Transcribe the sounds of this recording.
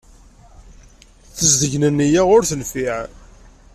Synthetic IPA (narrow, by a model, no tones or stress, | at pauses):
θəzd̪əʝnənːijaʁʊɾθənfiʕ